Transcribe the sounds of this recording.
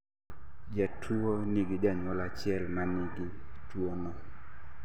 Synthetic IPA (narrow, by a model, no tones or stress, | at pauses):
d͡ʒatʰuonɪɡɪd͡ʒaɲwɔlat͡ʃɪɛlmanɪɡitwonɔ